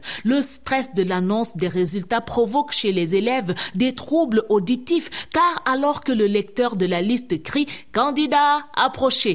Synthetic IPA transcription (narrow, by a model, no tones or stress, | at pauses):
ləst̪χɛsd̪əlanɔ̃sd̪ɛʁezylt̪apχɔvɔkʃelɛzelɛvd̪ɛt̪χubləʔod̪it̪ifkaʁalɔʁkələlɛk̚t̪œʁd̪əlalist̪əkʁikɑ̃d̪id̪aa̰pχɔʃe